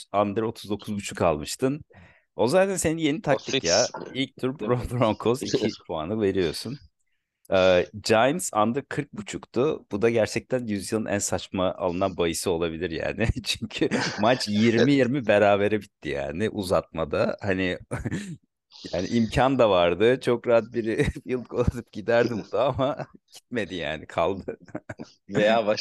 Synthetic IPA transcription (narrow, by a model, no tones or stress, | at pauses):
and̪ɯɾo̞t̪ʰuzd̪o̞kʰuzbut͡ʃʰu̥kalˠmɯʃt̪ʰɯn | o̞zaːt̪ʰænse̞ninje̞nit̪ʰakt̪ʰikjailʲc̚t̪ʰyɾbɾonbɾoŋkʰo̞zicʰipʰoanɯve̞ɾijo̞sun | ɯːd͡ʒajnsa̰nd̪ɯɾkʰɯɾk̚but͡ʃʰukt̪ʰʊb̥ud̪aɟæɾt͡ʃʰɛc̚t̪ʰænjyzjɯlˠɯnʔæ̰nsat͡ʃmaʔa̰lˠɯnanbajɯsɯo̞lˠabilʲiɾja̰ːnɪt͡ʃʰyɲcʰymat͡ʃjiɾmijiɾmibeɾaːbe̞ɾebit̪ʰːija̰ːnɪʔuzat̪̚mad̪a̰hanɪ | jaːnḭʔimcʰand̪avaɾd̪ɯt͡ʃʰo̞kɾaɦat̪̚biɾfilˠkʰolˠat̪ʰɯp̚ɟ̥id̪æɾd̪ibud̪aamaɟ̥i̥t̪̚me̞d̪ija̰ːnikʰalˠd̪ɯ | vejaːba